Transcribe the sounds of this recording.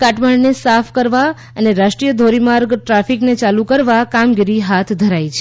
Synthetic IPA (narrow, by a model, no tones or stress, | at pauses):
kaʈməɳnesafʰkəɾʋa | əneɾaʃʈɾijəd̪ʱoɾimaɾɡʈɾafiknet͡ʃalukəɾʋakamɡiɾiɦat̪ʰd̪ʱəɾajt͡ʃʰe